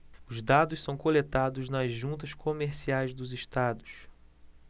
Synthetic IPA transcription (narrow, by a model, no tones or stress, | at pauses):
ʊzd̪ad̪ʊssɐ̃w̃kolet̪ad̪ʊznɐzʒũnt̪ɐʃkomeɾsiajzd̪ʊzɪʃt̪ad̪ʊs